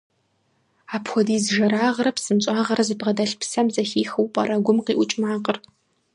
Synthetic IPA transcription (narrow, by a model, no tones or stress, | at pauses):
aːpxʷɔdiːzʒɐɾaːʁɐɾɐpsɨmt͡ʃʼaːʁɐɾɐzɨbʁɐdɐɬpsɐmzɐxiːxɐwpʼɐɾɐɡʷʊmqiːʔʷʊt͡ʃʼmaːqər